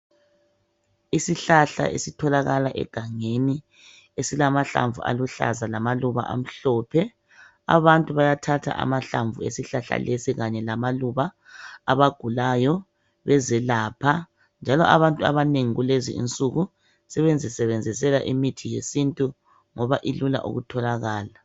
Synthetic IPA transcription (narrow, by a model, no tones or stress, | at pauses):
isiɬaɬa̰ʔḛsitʰɔlaɣalaʔɛ̰ɡ̥ʱaŋeni | esilamaɬa̰ɱvṵa̰luɬa̰zalamaluβa̰ʔa̰m̩ɬɔːpʰɛ | a̰βantʼuβajatʰatʰa̰ʔa̰maɬaɱvuḛsiɬaɬa̰lʔesiɣaɲɛlamaluβaː | βaɡ̥ʱulajɔ | βɛzɛlaːpʰa | nd͡ʒʱalɔʔaβantʼua̰βaneŋiɣulezḭḭnt͡sʼuɣu | sɛβend͡zʱisɛβend͡zʱis̬ɛlaʔimitʰijesintʼu | ŋɔβaʔilula̰ʔṵɣutʰɔlaɣaːla